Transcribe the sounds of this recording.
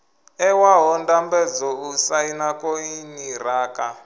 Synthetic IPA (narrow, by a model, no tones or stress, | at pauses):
ɛwaɦɔndambɛd͡zɔusainakɔiɲiraːka